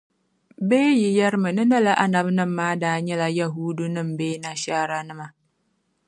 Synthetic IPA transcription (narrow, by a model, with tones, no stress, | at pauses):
beː˦ji˨jɛ˦ɾɪ˦mɨ˨nɨ˦na˦la˦ʔa˨na˨bnɨ˦mːaː˦daː˦ɲɛ˦la˦ja˦ɦuː˦du˦nɨ˦mbeː˦na˨ʃaː˦ɾa˦nɨ˦ma˨